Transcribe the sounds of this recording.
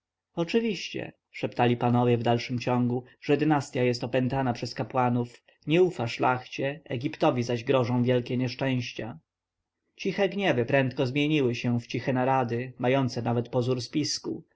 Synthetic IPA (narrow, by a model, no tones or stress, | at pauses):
ɔt͡ʂɘvʲiɕt͡ɕɛ̰ | ʂɛpt̪alʲipanɔvʲjɛvd̪alʂɘmt͡ɕɔŋɡuʐ̥ɛd̪ɘnast̪ʲjajɛst̪ɔpɛnt̪anapʂɛskapwanuf | ɲɛufaʂlaxt͡ɕɛɛɡʲipt̪ɔvʲizaʑɡɾɔʐɔ̃w̃vjɛlkʲɛɲɛʂt͡ʂɛ̃w̃ɕt͡ɕa | t͡ɕixɛɡɲɛvɘpɾɛnt̪kɔzmʲjeɲiwɘɕɛft͡ɕixɛnaɾad̪ɘmajɔnt̪sɛnavɛt̪pɔzuɾspʲiskṵ